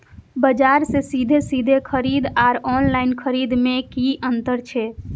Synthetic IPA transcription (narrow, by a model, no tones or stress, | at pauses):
bəd͡ʒaɾsesid̪ʱesid̪ʱekʰəɾid̪aɾɔnlaɪnkʰəɾid̪mekiʔənt̪əɾt͡ʃʰɛ